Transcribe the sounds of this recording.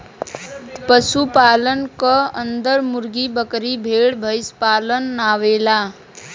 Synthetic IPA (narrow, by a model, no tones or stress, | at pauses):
pəsupaːlənkəə̃nd̪əɾmʊɾɡibəkɾibʱeːɽbʱəɪspaːlənːaːʋeːlaː